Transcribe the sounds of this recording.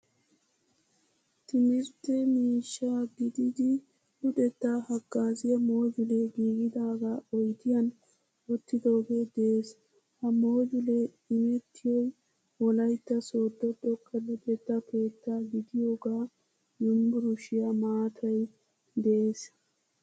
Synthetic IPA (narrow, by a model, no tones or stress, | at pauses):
t̪ɪmɪɾt̪ːɛmiːʃːaːɡɪd̪ɪd̪ɪ | ʊd̪ɛt̪ːahɐɡːaːzɪjɐmo̞ːd͡ʒʊlɛɡiːɡɪd̪aːɡaːɔjt̪ɪjɐn | ɔt̪ːɪd̪o̞ːɡed̪eeːs | hɐmo̞ːd͡ʒʊlɛ | ɪmɛt̪ːɪjɔj | ɔlɐjt̪ːɐso̞ːd̪ːɔd̪ɔkːɐlʊd̪ɛt̪ːɐpʰe̞ːt̪ːaːɡɪd̪ɪjo̞ːɡaː | jʊmbʊɾʊʃɪjamaːt̪ʰɐj | d̪ɛʔeːs